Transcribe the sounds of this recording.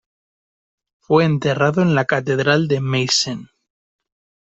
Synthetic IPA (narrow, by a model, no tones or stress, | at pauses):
fwe̞ːnt̪e̞raðo̞enlakat̪e̞ðɾald̪e̞mejsen